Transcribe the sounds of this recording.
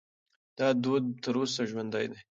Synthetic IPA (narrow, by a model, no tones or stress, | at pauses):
d̪̥ɑd̪od̪̚t̪əɾosaʒwand̪ajd̪a